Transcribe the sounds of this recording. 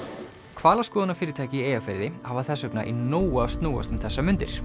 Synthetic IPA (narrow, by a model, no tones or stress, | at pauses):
kʰvaːlaskɔːðanafɪːɾɪt̪ʰaːjcɪiejafɛɾðɪhavaθɛsːœknaʔinoːwast̪nuːwa̰st̪ʏmθɛsːamʏnt̪ɪ̰ɾ̥